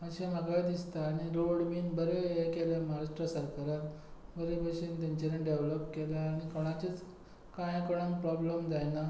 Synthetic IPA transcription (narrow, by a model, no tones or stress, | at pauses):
ət͡ɕeməɡajd̪ist̪aːɽ̃iɾoɽminbəɾeekeljamaɦaɾaʂʈɾəsəɾkaɾat̪bəɾepəɕint̪̬aɲt͡ɕeɾeɖeʋləpkelaːɽ̃ikɔɽ̃at͡ɕit͡s | kãjkɔɽ̃əmpɾɔbləmd̪ajna